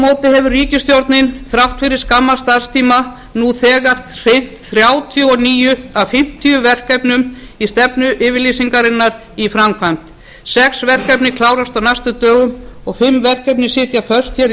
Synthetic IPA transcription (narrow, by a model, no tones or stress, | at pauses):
moːwt̪ɪɦɛvʏriːcɪst̪jowɾt̪nɪnθɾaw̥t̪fɪɾɪɾ̥skamːast̪aɾ̥st̪ʰiːma | nuθɛːɣaɾ̥r̥ejn̥t̪θɾjaːwt̪ʰijʏɔniːjʏafɪm̥t̪ʰijʏvɛr̥kɛpnʏm | ist̪ɛpnʏʔɪːvɪɾliːsiŋkaɾɪnːaɾ | ifɾamkʰam̥t̪ | sɛksvɛr̥kɛpnɪkʰlaːwɾast̪awnajst̪ʏt̪œːɣʏmɔɣfɪmːvɛr̥kɛp̬nɪsɪːt̪jafœ̥st̪çɛɾ